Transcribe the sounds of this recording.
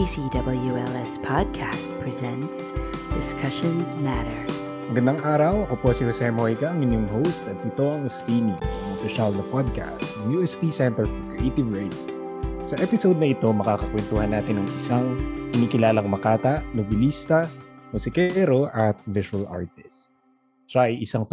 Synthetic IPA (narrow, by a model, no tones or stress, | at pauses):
isidʌbl̩ˠjuɛlˠɛspʰɑd̚kʰæst̪̚pʰɹ̥izɛ̃ntsd̥ɪskʰʌʃɔ̃nzmæɾə˞ | mɐɡɐnd̪aŋʔaːɾɐwɐkoposɪhosɛmojɡɐʔɐŋɪnjoŋɦowst̪ɐt̪̚ːɪt̪oŋst̪iːniɐŋopɪʃald̪ɐpɔd̪̚ka̰st̪nɐŋjuːʔɛst̪isɛnt̪ɛɹfɔkɹɛʔejt̪ɪvɹɛd̪o | sɐʔɛpɪsowd̪̚nɐʔɪt̪o̞mɐkaːkɐkwɛnt̪uːhɐnːaːt̪ɪnɐŋʔɪsaŋkɪniːkɪlaːlɐŋmɐkaːt̪ɐʔnobɪlist̪ɐmʊsɪkɛɾoʔɐt̪̚vɪʃuɐlʔa̰ɹt̪ɪ̥st̪̚ | ʃaʔɐjʔɪsaŋt̪